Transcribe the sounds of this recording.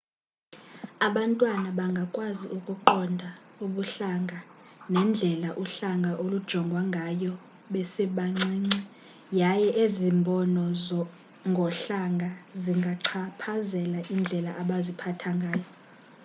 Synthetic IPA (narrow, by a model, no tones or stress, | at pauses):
aɓantʼwanaɓaŋɡʱakʼwaziʔukʼuǃɔndʱauɓuɬaŋɡʱanɛnd͡ɮʱɛlaʔuɬaŋɡʱaʔolud̥ʒ̥ʱɔŋɡʱwaŋɡʱajɔ | ɓɛsɛɓaŋ͡ǀiːŋ͡ǀi | jajɛʔezimbʱɔnɔzɔ | ŋɡʱɔɬaŋɡʱaziŋɡʱaǀʰapʰazɛlaʔind͡ɮʱɛlaʔaɓazipʰatʰaŋɡʱaːjɔ